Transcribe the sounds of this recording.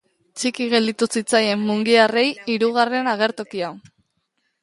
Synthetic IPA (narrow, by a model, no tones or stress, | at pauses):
t͡ʃikiɣe̞ld̪it̪usit͡saje̞mːuŋɡiare̞jiɾuɣ̞are̞naɣ̞e̞ɾt̪o̞kiaw